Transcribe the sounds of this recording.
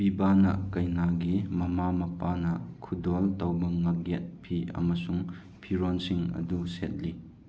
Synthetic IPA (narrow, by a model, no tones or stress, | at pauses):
b̥ibanɐ̰kɐjnaɡimɐmamɐpanɐkʰudoltɐwbɐŋːɐɡet̚pʰiɐ̰mɐsuŋ | pʰiɾonsiŋɐ̰duset̚li